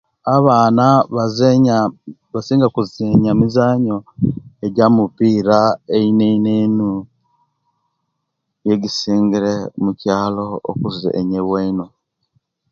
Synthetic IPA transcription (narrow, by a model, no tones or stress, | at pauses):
aβaːnaβaze | βasiːŋɡakuzeɲamizaːɲo̞eɟamupiːɾaeineineːnu | jeɡisiːŋɡiɾemucaːlo̞o̰kuzḭʔeɲeweino